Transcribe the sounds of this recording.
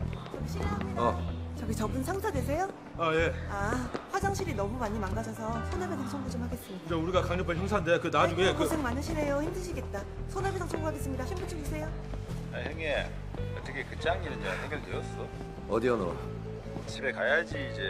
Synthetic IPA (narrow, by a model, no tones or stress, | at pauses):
t͡ɕʌɡiɕʰiɾeɦamɲidat͡ɕʌɡit͡ɕʌbɯnsʰaŋsʰadwes̬ʰe̞jo | aje̞aɸwad͡ʑaŋɕʰiɾinʌmumaɲimaŋɡad͡ʑʰʌsʰʌsʰonɯɭpʰesʰaŋt͡ɕʰʌŋɡud͡ʑomhaɡe̞s͈ɯmɲidaid͡ʑauɾiɡakaŋɲʌpʰançjʌŋsʰandekɯnad͡ʑuɡekɯsʰeŋmanɯɕʰine̞joçimdɯɭɕʰiɡe̞t̚t͈a | sʰonɯɭbʰesʰaŋt͡ɕʰʌŋɡuhaɡe̞s͈ɯmɲidaçʰimbut͡ɕ͈ʰoɡisʰe̞jo | aɦjeŋe | ʌt̪͈ʰːʌkʰekɯt͡ɕ͈ʰaŋinɯnd͡ʑeansʰeŋɡeɭtejʌs͈ʌ | ʌ̰diʌno̰wa̰ | t͡ɕʰibe̞kajad͡ʑiːd͡ʑe̞